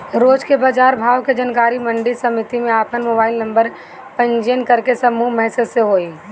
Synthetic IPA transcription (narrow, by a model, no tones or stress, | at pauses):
ɾoːd͡ʒkebaːd͡ʒaːɾbʱaːʋked͡ʒənkaːɾimə̃ɳɖɪsɐmɪt̪imẽaːpənmoːbaːɪlnɐ̃mbəɾ | pə̃ɲd͡ʒenkəɾkesɐmuːɦmɛɦsəd̪seɦoːiː